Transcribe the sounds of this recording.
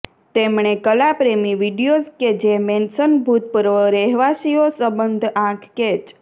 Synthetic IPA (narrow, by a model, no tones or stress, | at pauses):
t̪emɳekəlapɾemiʋiɖijozked͡ʒemensənbʱut̪̚pəɾʋəɾɛɦʋasiosəbənd̪ʱãkʰket͡ʃ